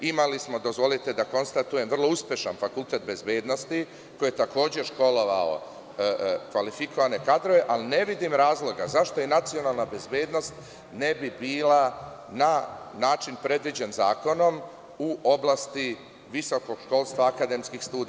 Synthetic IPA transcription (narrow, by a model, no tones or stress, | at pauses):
imalismo̞d̪o̞zʋo̞lit̪ed̪ako̞nst̪at̪uje̞mʋr̩lˠo̞uspjeʃanfakult̪e̞t̪̚be̞zbe̞ːd̪no̞st̪i | kojet̪ako̞ːd͡ʑeʃko̞lo̞ʋao̰ | kʋalifiko̞ʋane̞kad̪ɾo̞ʋe̞ʔaline̞ʋid̪imɾaːzlˠo̞ɡazaʃt̪o̞inat̪sio̞nalˠnabe̞zbeːd̪no̞st̪ | ne̞bibiːla | nanaːt͡ʃinpɾe̞d̪ʋid͡ʑenza̰ːko̞no̞m | uʔo̞blˠast̪i | ʋiso̞ko̞ɡ̥ʃko̞lˠst̪ʋaːkad̪e̞mskixst̪uːd̪